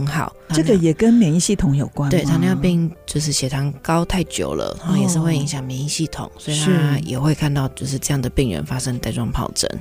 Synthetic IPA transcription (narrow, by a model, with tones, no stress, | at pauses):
ə˧˥ŋxɑ̰˨˩˦ʊt̪ʰɤ˥˩ɡə˨jɛ˨˩kə˦˥nmjɛ˧˦ŋi˥˧ɕi˥˩t̪ʰʊ˧˥ŋjo˨˩ʊkwa˦nwɪt̪ʰa˥n˧jpi˥˩ŋt͡ɕjo˥˧ʊʂ̬ɻ̩˥˩ɕjɛ˨˩t̪ʰa˧˥ŋkɑ˥ʊt̪ʰa˥˩ɪt͡ɕjo̰˧˥ʊlə̰˧a˥˧jɛ˨˩ʂɻ̩˥˧we˥˩ɪi˧˥ŋɕjɑ˨˩ŋmjɛ˧˥ni˥˧ɕi˥˩t̪ʰʊ̰˨˩˦ŋswɔ˧˥i˨t̪ʰa˦˥jɛ˨˩xwe˥˧ɪkʰa˥˧nt̪ɑ˥˧ʊt͡ɕjo˥˧ʊʂ̬ɻ̩˥˧ʈ͡ʂɤ˥˧jɑ˥˩ŋd̪ə˩pi˥˩ŋɻɥə̰˧˦nfa˥ʂə˥ŋt̪a˥˧ɪʈ͡ʂwɑ˥ŋpʰɑ̰˨˩ʊʈ͡ʂə̰˧˦n